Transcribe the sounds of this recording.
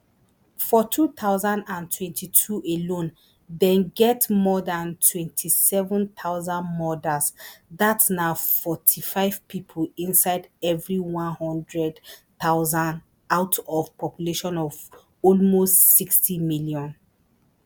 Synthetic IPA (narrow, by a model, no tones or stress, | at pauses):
fɔtʰut̪ʰaʊzãndãntʰwɛ̃ntʰitʰuʔelõn | dɛ̃nɡɛtmɔdãntʰwɛ̃ntʰisɛvə̃nt̪ʰaʊzãnmɔdasðatnaʊfɔtʰifaɪv̥pipʰolĩnsaɪdɛvɹiwɔ̃nhɔ̃ndɹɛdt̪aʊzãn | aʊtʰɔv̥pʰɔpjuleʃɔ̃nɔv | ɔlmostsikstimiljɔ̃n